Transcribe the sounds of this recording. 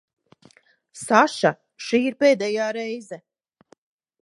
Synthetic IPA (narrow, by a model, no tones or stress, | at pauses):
saʃa | ʃiːiɾpeːd̪ɛjaːɾɛjzɛ